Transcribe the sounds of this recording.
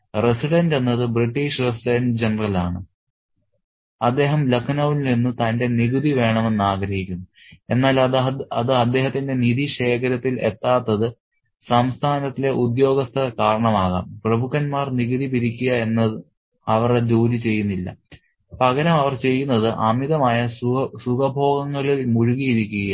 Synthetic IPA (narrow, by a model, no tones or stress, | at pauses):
resiɽɐnde̞nːɐðɨbriʈːiʂresiɖɐnɖd͡ʑe̞nɐrɐlaːɳɨ | ɐd̪ːe̞ːɦɐmlɐkʰnɐʋilninːɨt̪ɐnde̞niɣud̪iʋe̞ːɳɐme̞nːaːɡɾɐɦikʲːunːu | e̞nːaːlɐðɨɐd̪ːe̞ːɦɐt̪ːinde̞niðiɕe̞ːkʰɐɾɐt̪ːile̞t̪ːaːt̪ːɐðɨ | sɐmst̪ʰaːnɐt̪ːile̞ʔud̪jo̞ːɡɐst̪ʰɐkaːɾɐɳɐmaːɣa̰ːmprɐbʱukːɐnmaːrniɣuðipiɾikʲːuɣɐe̞nːɐ | ɐʋɐred͡ʑoːlit͡ɕe̞jːunːilːɐ̰ | pɐɣɐɾɐmɐʋɐrt͡ɕe̞jːunːɐðɨʔɐmiðɐmaːjɐsuɡɐbʱo̞ːɡɐŋːɐɭilmuɻuɣijiɾikʲːuɣɐj